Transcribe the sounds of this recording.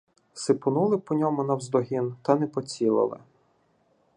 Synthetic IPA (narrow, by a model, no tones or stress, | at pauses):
sɪpʊnulˠɪpɔnʲɔmʊnɐwzd̪ɔɦʲint̪ɐnɛpɔt͡sʲilˠɪ̰lˠɪ̰